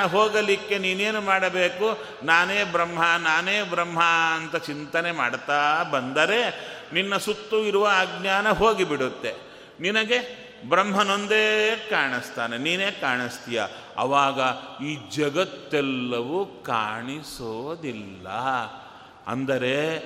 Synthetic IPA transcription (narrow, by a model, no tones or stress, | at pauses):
ɐɦoːɡɐlikːe̞niːneːnumaːɽɐbe̞ːku | naːneːbɾɐmɦɐnaːneːbɾɐmɦɐɐnt̪ɐt͡ʃint̪ɐne̞maːɽt̪aːbɐnd̪ɐɾe̞ninːɐsut̪ːuiɾuʋɐːɡɲaːnɐɦoːɡibiɽut̪ːe | ninɐɡe̞ | bɾɐmɦɐnond̪eːkaːɳist̪aːneniːne̞ːkaːɳist̪ijɐ̰ | ɐ̰ʋaːɡɐiːd͡ʒɐɡɐt̪ːɛlːɐʋuka̰ːɳisod̪ilːɐ̰ | ɐ̰nd̪ɐɾe̞